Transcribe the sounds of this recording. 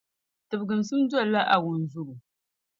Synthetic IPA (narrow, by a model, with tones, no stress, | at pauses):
tɨ˨bɡɨ˨m˨sɨ˦m˦da˦˨la˦ʔa˨wʊ˨n˨zʊ˦ɡu˨